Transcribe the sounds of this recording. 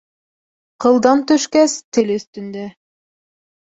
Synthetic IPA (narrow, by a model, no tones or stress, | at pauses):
qɤ̆lˠd̪ɑnt̪ɵʃkæst̪ɘlɵ̆θt̪ɵ̆nd̪ø